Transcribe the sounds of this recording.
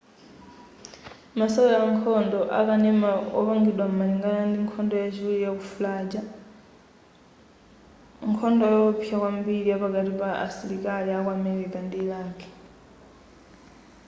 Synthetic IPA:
masɔɔjaŋkʰɔndɔʔa̰kanɛmaɔβaŋɡiɗwam̩maɲiŋɡanandiŋkʰɔndɔjat͡ʃiwulijakufulad͡ʒa | ŋkʰɔndɔjɔupʰiakwambiɺijapaɡatipaa̰silikaliakwamɛɾikandilaːkɛ̥

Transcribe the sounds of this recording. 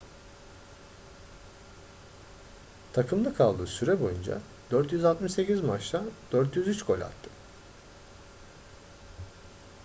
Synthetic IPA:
t̪ʰakʰɯmlˠɯkʰalˠd̪ɯ̰ːsyɾɛbo̞jund͡ʒa̰ | d̪̥øɾt̪jyzalt̪mɯʃse̞cizmaʃlad̪̥øɾt̪jyzyt͡ʃkʰo̞lʲa̰t̪ʰːɯ̥

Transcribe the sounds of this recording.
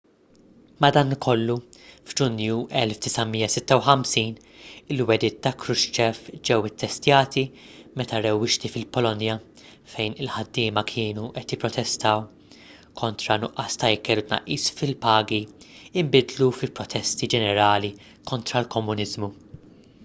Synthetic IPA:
mɐd̪ɐːnkʰɔlːuvd͡ʒʊnjuʔɛlfd̪ɪsɐmiːjːɐsɪt̪ːɐwħɐmsiːn | ɪlwɛd̪ɪːt̪ːɐkɾʊʃt͡ʃɛfd͡ʒɛwɪt̪ʰːɛst̪jɐːt̪i | mɛt̪ɐɾɛwːɪʃt̪ifɪlpɔlɔnjɐ | fɛjnɪlħɐd̪ːɪːmɐkʰɪːnuʔɛt̪jɪpːɾɔt̪ʰɛst̪ɐːw | kʰɔnt̪ɾɐnʊʔːɐːst̪ɐjɪkɛːlʊt̪nɐ̰ʔːiːsfɪlpɐːɡiɪmbɪd̪lufɪlpːɾɔt̪ʰɛst̪id͡ʒɛnɛɾɐːli | kɔnt̪ɾɐlkɔmːʊnɪzmu

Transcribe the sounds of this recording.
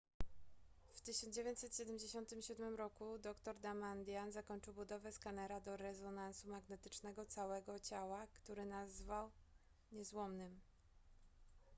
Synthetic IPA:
ft̪ɘɕɔnd͡ʑevjeɲt̪sɛt̪ɕɛd̪ɛmʲd͡ʑeɕɔnt̪ɘmɕud̪mɘmɾɔkud̪ɔkt̪ɔɾd̪amand̪ʲjanzakɔɲt͡ʂɘwbud̪ɔvɛskanɛɾad̪ɔɾɛzɔnansumaɡnɛt̪ɘ̥t͡ʂnɛɡɔt̪sawɛɡɔt͡ɕawakt̪uɾɘnazvaw | ɲɛzwɔmnɘm

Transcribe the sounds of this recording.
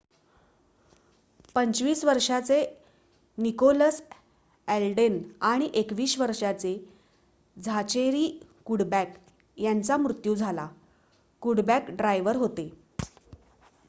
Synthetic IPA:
pənt͡sʋiːsʋəɾʂat͡se | nikoləs | ælɖenaɽ̃iʔekʋiːɕʋəɾʂat͡se | d͡zʱat͡ɕeɾiːkuɽbæk | jant͡samɾut̪juːd͡zʱala | kuɽbækɖɾajʋəɾɦot̪e

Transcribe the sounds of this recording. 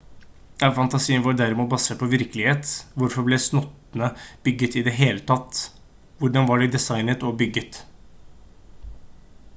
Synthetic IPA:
jɑfɑnt̪ɑsiːənʋɔːɾd̪æɾɪmuːt̪̚bɑsæpʰɔʋɪɾkəlɪheːt̪ʋʊɾfɔblɛsnɔt̪ːnəb̥ʏɡət̪ɪd̪ɛɦeːlət̪ʰɑt̪ː | ʋʊɖɑnʋɑɖɛd̪ɛsɑɪnət̪ɔbʏɡːət̪

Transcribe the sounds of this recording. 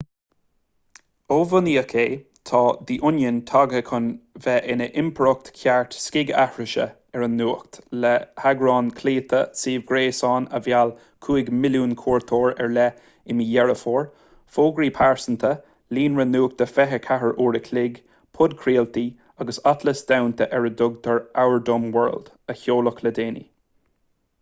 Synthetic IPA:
oːvʊniːəkʰeː | t̪ʰɑːd̪iʔʊnjənt̪ʰɑɡəkʰʊnvɛʔɪnəʔɪmpʰɾʊk̚t̪kʰjaɹt̪skɪɡa̰hɹəʃə̰ | ɛɹənːuːk̚t̪lɛhaɡɾɑːnkʰliːt̪ʰəsiːvɡɾeːsɑːnəvjal | kʰuːɪɡmɪljuːnkʰuːɹt̪ʰoːɹɛɹlɛ | ɪmijɛɹəfoːɹ | foːɡɹiːpʰaɹsənt̪ʰə | liːnɹənuːk̚t̪əfɛɦəkʰaɦəɹʔuːɾəkʰlɪɡ | pʰʊd̪̚kʰɾiːlt̪i | aɡəsat̪ʰləsd̪̥awnt̪ʰəʔɛɹəd̪ʊɡ̚t̪ʰəɹawəɹdʊmwɜ̰ɹld̥̪ | əçoːlʊkʰləd̪eːnḭ

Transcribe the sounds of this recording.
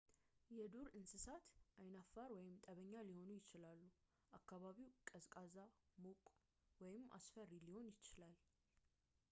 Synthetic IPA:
jɛd̪uɾɨnsɨsat̪ʔajnafːaɾwɔjɪmt̪ʼəβəɲːaliho̞nujɪt͡ʃɪlalːu | ʔakːaβaβiwkʼəzkʼazamokʼ | wɔjɪmʔa̰sfəɾiliho̞njɪt͡ʃːɪlal

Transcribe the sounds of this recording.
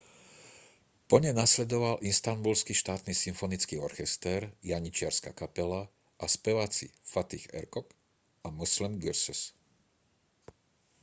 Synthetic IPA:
pɔɲɛnaslɛd̪ɔʋalʔinst̪anbulskiʃt̪aːt̪nisimfɔnit͡skiːɔɾxɛst̪ɛːɾjaɲit͡ʃɪaɾskakapɛla | ʔaspɛʋaːt͡sḭfat̪ixɛ̰ɾkɔk | amuslimɡiɾsus

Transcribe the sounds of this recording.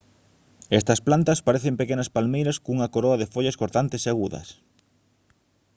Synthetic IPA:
est̪ɐsplant̪ɐspaɾeθempekenɐspalmejɾɐskouŋɐkoɾoɐðefoʎɐskoɾt̪ant̪eseaɣuðɐ̰s

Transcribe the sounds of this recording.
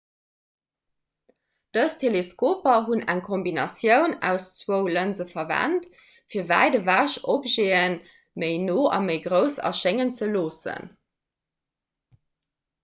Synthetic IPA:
d̥əstʰeleskoːpɐɦunæ̰ŋkʰombinɑsjəʊnæːʊst͡swəʊlənzəfɐvæ̰nt | fiːɐvæ̰ɪdəvaːʃopʒeːən | məɪnoːʔɑ̰məɪɡʁəʊsɐ̰ʃeŋənt͡səloːsə̰n

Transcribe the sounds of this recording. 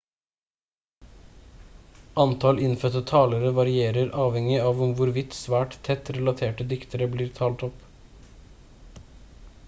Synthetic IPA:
ʔɑnt̪ʰɑlɪnfœt̪ət̪ʰɑːləɾəʋɑɾɪeːɾəɾʔɑːʋhɛŋɪɑːʋʊmʋʊɾʋɪt̪sʋæːʈt̪ʰːɛt̪ɾɛlɑt̪ʰeːʈəd̪ɪkt̪əɾəbliːɾt̪ʰɑːlt̪ɔp

